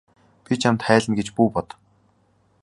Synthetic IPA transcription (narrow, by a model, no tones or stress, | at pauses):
pʲit͡ɕʰamt̪χæːɮɘ̆nɡet͡ɕpuːpɔt̪̆